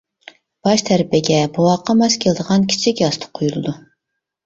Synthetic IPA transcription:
b̥ɑʃt̪ʰæɾpɪɡʲɛbuwɑqːɑmɛskʲʰelˠɨd̪əʁɑnkʲʰi̥t͡ʃʰɪkʲjɑst̪ʰə̥qʰːojulˠɨd̪u

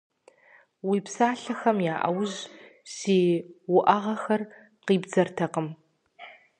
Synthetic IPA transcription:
wipsaːɬɐxɐmjaːʔɐwʑʒseːwʊʔɐʁɐxɐr | qiːbd͡zɐrtʰɐqəm

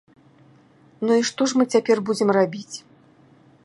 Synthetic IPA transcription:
nuiʂt̪ɔʂmɨt͡sʲapʲɛrbud͡zʲɛmrabʲit͡sʲ

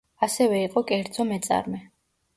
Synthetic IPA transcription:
asɛvɛiqʼɔkʼɛɾd̪zɔmɛt̪sʼa̰ɾmɛ

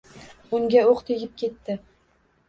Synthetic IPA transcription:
ʊŋɡʲaoqt̪ʰeɡʲɪp̚kʲʰe̞t̪ːɪ

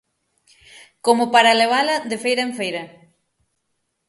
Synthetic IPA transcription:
komopaɾaleβ̞alɐðefejɾɐeɱfejɾɐ

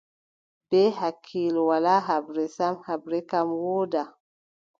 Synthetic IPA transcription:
b̥eɦakʰilwalaɦabɾesamhabɾekamwoːda

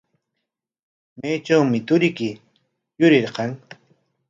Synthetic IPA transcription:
mejt͡ʃawmɪt̪ʊɾɪkɪ | jʊɾɪɾqɑŋ

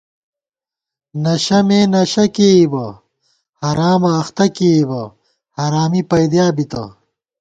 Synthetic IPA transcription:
nɐɕɐmeːnɐɕɐkeːibɐ | hɐɾaːmɐːxt̪ɐkeːibɐ | haɾaːmipɐjd̪jaːbit̪ɐ̰

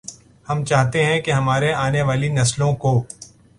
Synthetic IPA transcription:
hɐmt͡ʃaːɦt̪eɦɛ̃keɦɐmaːɾeaːneʋaːlinɐslõkoː

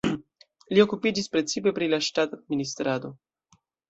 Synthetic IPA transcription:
lio̞kupid͡ʒispɾe̞t͡sipe̞pɾilaʃtatad̪̚minist̪ɾado̞

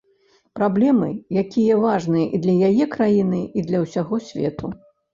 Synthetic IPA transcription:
pɾablʲɛmɨjakʲijɐvaʐnɨjɐʔid̪lʲɐjajɛkɾajinɨid̪lʲɐwsʲaɣɔsʲvʲɛ̰t̪u

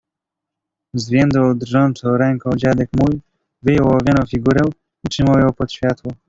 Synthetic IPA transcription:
zvʲjɛnd̪wawd̪rʐɔnt͡sɔ̃w̃ɾɛŋkɔ̃w̃d͡ʑad̪ɛkmuj | vɘjɔwɔvʲjanɔ̃w̃fʲiɡuɾɛw̃ | itʂɘmawjɔ̃wpɔt̪ɕfʲjat̪wɔ

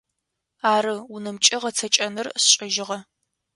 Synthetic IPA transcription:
aːɾɨʊnɨmt͡ʃʼɪʁɐt͡sʰɐt͡ʃʼɐnɨrsɕʼɪʒɪʁɐ

